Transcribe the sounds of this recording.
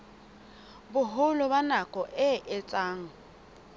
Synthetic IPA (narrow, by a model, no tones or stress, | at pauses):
bʊɦʊlʊbanakʼɔʔɪʔɪt͡sʼaːŋ̩